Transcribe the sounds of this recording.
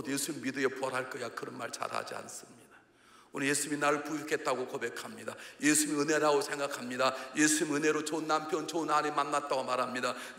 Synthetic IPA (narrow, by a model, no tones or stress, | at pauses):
djesʰuɲimidɯepuaɾɦaɭk͈ʌjakɯɾʌnma̰ɭt͡ɕa̰ɾa̰d͡ʑia̰ns͈ɯmɲida | unijesʰuminaɾɯɭpuikʰe̞t̚t͈aɡokobe̞kʰamɲidajesʰumiɯne̞ɾaɡosʰe̞ŋɡakʰamɲidajesʰuɲimɯne̞ɾot͡ɕonːampʰjʌnt͡ɕoɯnaɾemanːat̚t͈aɡomaɾɦamɲida | n